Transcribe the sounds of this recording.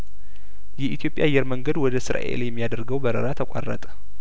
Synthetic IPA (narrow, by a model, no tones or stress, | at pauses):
jɛʔit̪ʰjo̞pʼjaajːɛɾməŋɡəd̪wɔd̪əsɨɾa̰ʔḛljɛmːijad̪əɾɡəwbəɾə̰ɾat̪ʰəkʷʼa̰rːə̰t̪ʼ